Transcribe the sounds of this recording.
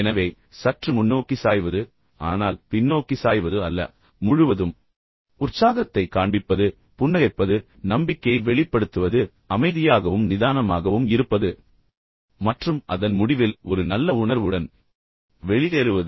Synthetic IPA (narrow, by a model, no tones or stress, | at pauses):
ɛnɐʋeː | sɐʈrɯmʊnːoːkːisaːjʋɐðɯ | a̰ːnaːlpɪnːoːkːisaːjʋɐðɯɐlːɐ̰ | mʊɻɯʋɐðɯm | ʊrsaːɣɐt̪ːɐɪkaːɳbɪpːɐðɯ | pʊnːɐɣɐɪpːɐðɯ | nɐmbɪkːɐɪʋɛɭɪpːɐɽɯt̪ːɯʋɐðɯ | ɐmɐɪðɪjaːɣɐʋɯmnɪðaːnɐmaːɣɐʋɯmɪɾɯpːɐðɯ | mɐʈrɯmʔɐðɐnmʊɽɪʋɪlɔɾɯnɐlːɐʊɳɐɾʋɯɽɐn | ʋɛɭɪðeɾɯʋɐðɯ